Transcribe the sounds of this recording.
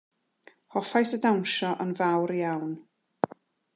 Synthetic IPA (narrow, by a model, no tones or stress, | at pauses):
hɔfajsədawnʃɔʔənvawɾjawn